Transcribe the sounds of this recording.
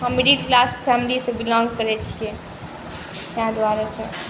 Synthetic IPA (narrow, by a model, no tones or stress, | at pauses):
kɔmiɖiʈklaspʰɛmilisə̃bilɔ̃ŋɡkəɾɛt͡ʃʰi̥e | t̪ãd̪waɾasə̃